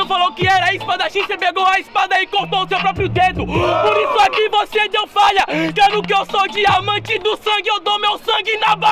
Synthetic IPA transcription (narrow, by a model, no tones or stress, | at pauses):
falowkɪɛɾɐispad̪ɐʃĩsɐpeɡowɐispad̪ɐɪkoɾt̪oʊsewpɾɔpɾjʊd̪ed̪ʊpoɾisʊakivosed̪ew̃faʎɐkɛɾʊkɪewsod͡ʒɪamɐ̃t͡ʃɪd̪ʊsɐ̃ɡɪewd̪owmewsɐ̃ŋɡɪnaba